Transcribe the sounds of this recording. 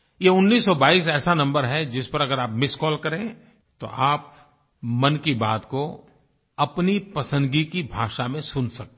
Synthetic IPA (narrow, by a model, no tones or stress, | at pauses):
jeʊnːiːsːɔbaːiːs̬ɛːsanɐ̃mbəɾɦɛd͡ʒɪspɐɾɐɡəɾaːpmɪskɔːlkɐɾẽ | t̪o̰ʔaːp̚ | mɐnkibaːt̪ko | ɐpnipɐsə̃nd̪ɡikibʱaːʃamẽsʊnsɐk̚t̪ː